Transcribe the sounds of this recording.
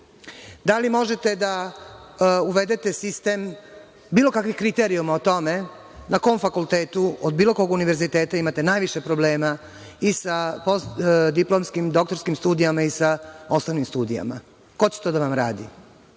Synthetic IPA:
d̪alimo̞ʒet̪e̞d̪a | uʋe̞d̪e̞t̪e̞sist̪e̞m | biːlo̞kakʋixkɾit̪eɾiumaot̪o̞me̞ | nako̞ːmfakulˠt̪eːt̪uod̪̚biːlˠo̞koɡuniʋeɾzit̪e̞ːt̪aimat̪e̞naːjʋiʃepɾo̞ble̞ːma | isaposd̪iplo̞mskimd̪o̞kt̪o̞ɾskimst̪uːd̪ijamaisao̞st̪animst̪uːd̪ija̰ma̰ | ko̞t͡ɕe̥t̪oːd̪aʋamɾaːd̪ḭ

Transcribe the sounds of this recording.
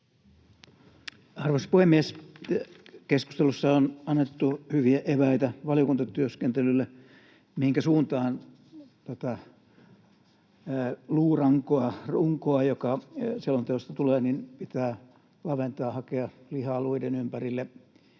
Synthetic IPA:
ɑrʋoisɑ̥puhemːies | kesku̥st̪elusːɑonɑnːet̪ːuhyʋiæʔeʋæit̪æʋɑlijokunt̪ɑt̪yøskent̪elylːe | mihiŋkæsuːnt̪ɑːn | t̪æt̪æ | luːrɑŋkoɑruŋkoɑjokɑselont̪eost̪ɑt̪uleːninpit̪æː | lɑʋent̪ɑːhɑkeɑ | lihɑluidenympærilːe

